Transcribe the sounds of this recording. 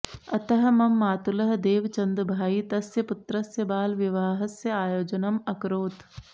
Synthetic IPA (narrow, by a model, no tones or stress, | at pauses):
ɐt̪ɐɦɐ̆mɐmːaːt̪ulɐɦɐd̪eːʋt͡ʃɐnd̪bʱaːit̪ɐsjɐpʊt̪ɾɐsjɐbaːlʋɪʋaːɦɐsjɐaːjoːd͡ʒɐnɐmɐkɾoːt̪